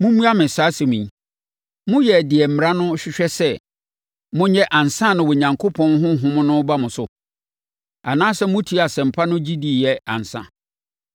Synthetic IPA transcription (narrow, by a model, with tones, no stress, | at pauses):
mʊ̃˦mũ˦a˦mɪ̃˨saː˨˦sɪ˨mĩ˨˦ | mʊ̃˦jɛ˨dɪ˨ɛ˨m̩˨m˨ɾa˦nʊ̃˦ɕᶣɪ˦ɕᶣɛ˦sɛ˦˨ | mʊ̃˦ɲɛ˦ʔã˨nsã˦˨nʊ̃˨wɔ˨ɲã˨ŋkʰo˦pʰɔ̃˦nɦʊ̃˦ɦʊ̃˦m̃˦nʊ̃˦ba˦mʊ̃˨sʊ˨ | a˨nãː˦sɛ˦mʊ̃˦tʰi˦a˨sɛ̃˨m̩˨pʰa˦nʊ̃˦d͡ʑi˦di˨jɛ˨ã̰˨n˨sã̰˦